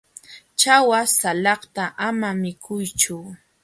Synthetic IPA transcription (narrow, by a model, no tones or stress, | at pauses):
t͡ʃawasalɑχt̪aʔamamɪkʰʊjt͡ʃʊ